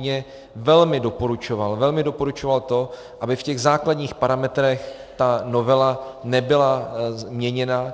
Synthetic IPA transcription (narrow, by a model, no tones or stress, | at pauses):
ɲɛ | vɛlmɪdo̞poɾut͡ʃo̞valvɛlmɪdo̞poɾut͡ʃovalt̪o̞ | ʔabɪfcɛɣzaːkladɲiːxpaɾamɛt̪ɾɛx | t̪anovɛlanɛbɪlazmɲɛɲɛna